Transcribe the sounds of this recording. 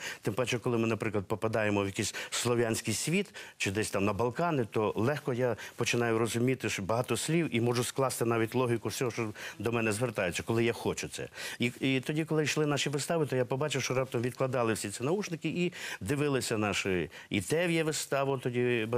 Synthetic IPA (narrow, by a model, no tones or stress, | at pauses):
t̪ɪmpɛt͡ʃɛkɔlˠɪmɪnɐpɾɪklˠɐd̪̚pɔpɐd̪ɑjemɔwjɐkisʲslˠɔʋʲjanʲsʲkɪjsʲʋʲit̪t͡ʃɪd̪ɛsʲt̪ɑmnɐbɐlˠkɑnɪt̪ɔlˠɛxkɔjapɔt͡ʃɪnɑjʊɾɔzʊmʲit̪ɪʃɔbɐɦɑt̪ɔsʲlʲiwʔimɔʒʊsklˠɑst̪ɪnɑʋʲitʲlˠɔɦʲikʊwsʲɔɦɔʃt͡ʃɔd̪ɔmɛnɛzʋert̪ɑjɪt͡sʲːɐkɔlˠɪjaxɔt͡ʃʊt̪sɛ̰iit̪ɔdʲikɔlˠɪjʃlˠɪnɑʃiʋɪst̪ɑʋɪt̪ɔjapɔbɑt͡ʃɪwʃt͡ʃɔɾɑp̚t̪ɔmʋʲid̪klˠɐd̪ɑlˠɪwsʲit̪sʲinɐut͡ʃnɪkɪʔid̪ɪʋɪlˠɪsʲɐnɑʃɪ | it̪ɛʋʲjɛʋɪst̪ɑʋʊt̪ɔdʲib